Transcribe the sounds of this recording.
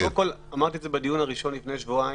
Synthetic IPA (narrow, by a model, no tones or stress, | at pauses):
ko̞lamaʁt̪iezebed̪ijunhaʁiʃo̞nlifne̞jʃvuai